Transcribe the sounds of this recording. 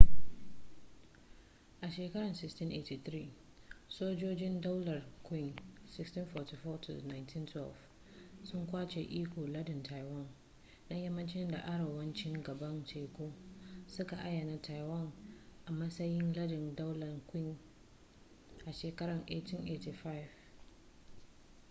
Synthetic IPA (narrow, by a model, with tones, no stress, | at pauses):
ʔa˨ʃeː˨kɐ˦ɾɐ˨nsɪ˦kstɪ˦nʔe˨ti˨t̪ɾiː˦ | soː˦d͡ʒoː˦d͡ʒɪ˦nda˦wlɐ˨rkʷɪ˦˨ŋsɪ˦kstɪ˦nfɔ˨ti˨fɔː˦tʰʊ̰˨na˨jntʰɪ˦ntʰwɛ˦˨lf | sʊ˦ŋkʷaː˦t͡ʃḛː˨ʔiː˦kʷoː˨lɐ˦dɪ˨ntʰa˨jwɐ˦n | na˦jɐ˦mːɐ˦nt͡ʃɪ˦nda̰˨ʔa˦ɽa˨wɐ˦nt͡ʃɪ˦ŋɡɐ˨bɐ˦nt͡ʃeː˨kʷoː˦sʊ˦ka˨ʔa˦ja˨na˦tʰa˨jwɐ˦ŋʔa˨mɐ˦sɐ˦jɪ˦nlɐ˦dɪ˨ndɔ˦wlɐ˨rkʷɪ˦ŋ | ʔa˨ʃeː˨kɐ˦ɽɐ˨ŋʔe˨tʰɪ˦nʔe˨ti˨fa˦ɪ˨v